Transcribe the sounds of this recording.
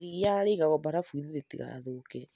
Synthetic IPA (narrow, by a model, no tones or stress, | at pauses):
ijaɾeɣaɣɔbaɾafwiðeɾetiɣa̰ðoːkɛ